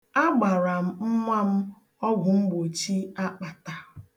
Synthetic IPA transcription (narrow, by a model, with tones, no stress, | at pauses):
a˦ɡ͡ba˨ɾa˨m̩˦m̩˦ma˦m̩˦ | ɔ˦ɡʷʊ˨m̩˦ɡ͡bo˨t͡ʃi˦a˦k͡pa˨ta˨